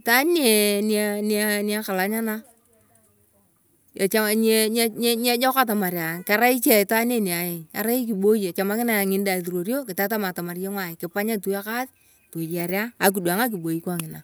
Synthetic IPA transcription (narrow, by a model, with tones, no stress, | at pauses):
ta˦ne˨nanianɪa˦ka˨la˨ɲa˦na˦ | a˨t͡ʃa˦ɲɛ˦ɲ˦ɲ˦ɲɛ˦d͡ʒɔ˦ka˦t̬a˨ma˨ɾja˨nka˦ɾa˦ɪ˦t͡ʃɛ˦˨ta˦ne˨n˨a˨jɪ˨ka̰˨ɾa˦i˦k̬i˨ɓo˦ja˨t͡ʃa˨ma˦kɪ˦na˨ŋɪ˨nda˨tu˨ɾo˨ɾjo˦kɪ˨ta˦ta˦ma˨ta˨ma˨ɾje˦ŋwa˨ɪ˨kɪ˨pa˦ɲa˦tu˦a˦ka˦t | to˨ja˨ɾja˦a˨k̬u˨dwa˨ŋa˦k̬ɪ˨ɓo˨i˦kwa˦ŋɪ˨na˨